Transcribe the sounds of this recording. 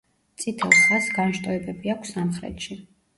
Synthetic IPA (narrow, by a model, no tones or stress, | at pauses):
t̪sʼit̪ʰɛlˠsasɡanʃt̪ʼɔɛbɛbiakʰsːamχɾɛ̰t̪ʃi